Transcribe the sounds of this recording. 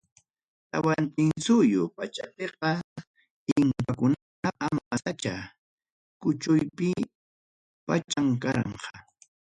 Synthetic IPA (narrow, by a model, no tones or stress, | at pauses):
t̪awant̪ɪŋsʊjʊpat͡ʃapeqɑ | ɪŋkakʊna | aʔamasat͡ʃa | kʊt͡ʃʊjpɪ | pat͡ʃaŋkaɾɑ̰ɴqɑ